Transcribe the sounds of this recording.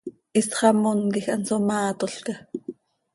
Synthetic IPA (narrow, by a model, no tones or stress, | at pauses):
ʔisχɑmonkixʔɑnsomɑːt̪oɬke